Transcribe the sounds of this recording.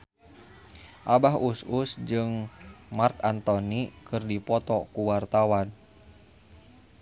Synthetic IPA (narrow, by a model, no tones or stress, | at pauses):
ʔabaɦususd͡ʒɨŋmarkant̪ɔnikɨrdipɔt̪ɔkuwart̪awan